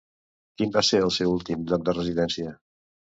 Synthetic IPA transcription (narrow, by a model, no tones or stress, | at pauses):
kimbaseɾəlˠsewulˠt̪imblɔk̚d̪ərəziðɛnsiə